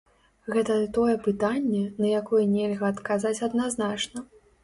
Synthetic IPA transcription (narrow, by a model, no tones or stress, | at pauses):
ɣɛt̪ɐt̪ɔjɛpɨt̪anʲːɛnɐjakɔjɛnʲɛlʲɣɐːt̪kazat͡sʲɐd̪naznat͡ʂnɐ